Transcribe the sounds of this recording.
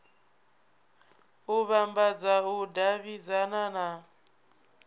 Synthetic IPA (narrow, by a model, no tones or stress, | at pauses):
uβambad͡zaudaβid͡zanana